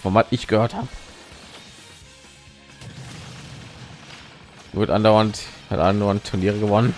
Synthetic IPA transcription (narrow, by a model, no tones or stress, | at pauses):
fɔmatʔɪçɡ̥əhøːɐthaːbə | vɪɐtəʔandaʊɐntha̰tʔandaʊantʰːʊɐniːʁ̞əɡəvɔnən